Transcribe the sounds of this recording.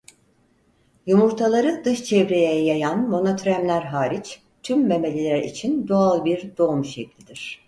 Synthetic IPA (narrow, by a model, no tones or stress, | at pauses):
jumuɾt̪ʰalˠaɾɯd̪ɯʃt͡ʃʰɛvɾejɛjajanmo̞not̪ʰɾæmlʲæɾɦaːɾit͡ʃ | t̪ʰymbeme̞lʲilʲæɾḭt͡ʃʰind̪oalˠbiɾd̪o̞umʃeclʲid̪iɾ̥